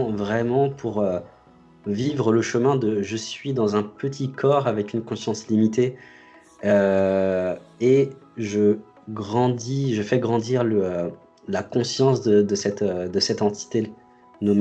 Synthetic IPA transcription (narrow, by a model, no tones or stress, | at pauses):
vʁɛmɑ̃pʰuʁø | vivʁələʃəmɛ̃d̪əʒəsɥid̪ɑ̃zɛ̃pət̪ʰikʰɔʁavɛkʲynkɔ̃sjɑ̃slimit̪e | ø | eʒə | ɡʁɑ̃d̪iʒəfɛɡʁɑ̃d̪iʁləø | lakɔ̃sjɑ̃sd̪əd̪əsɛt̪ød̪əsɛt̪ɑ̃t̪i̥t̪e | nom